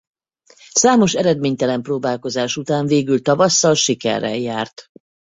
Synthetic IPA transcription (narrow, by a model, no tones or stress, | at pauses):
saːmo̞ʃɛɾɛd̪meːɲt̪ɛlɛmproːbaːlko̞zaːʃut̪aːɱveːɡylt̪ɒvɒsːɒlʃikɛ̰rːɛ̰jjaːrt̪